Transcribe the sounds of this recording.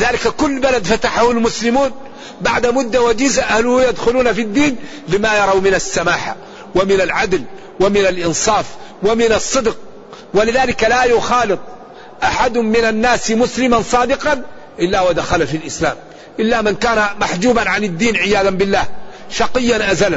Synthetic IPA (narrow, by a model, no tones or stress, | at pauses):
ɪðaːlɪkakʊlːbalad̪fat̪aħahʊlmʊslɪmuːn | baʕd̪amʊd̪ːawad͡ʒiːzaʔahlʊhjad̪xʊluːnafid̪ːiːn | lɪmajɑɾˤɑwmɪnasːamaːħa̰ | wamɪnalʕad̪l | wamɪnalʔɪnsˤɑːfwamɪnɑsˤːɨd̪q̚ | walɪðaːlɪkalajʊxɑːlɨt̪ˤ | ʔaħad̪hʊmːɪnanːaːsmʊslɪmansˤɑːd̪ɪqɑn | ʔɪlːawad̪axalafilʔɪsla̰ːm | ʔɪlːamɪnkaːnamaħd͡ʒuːbanʕanɪd̪ːiːnʕɪjaːðambɪlːaːhʃɑqɪjːanʔazal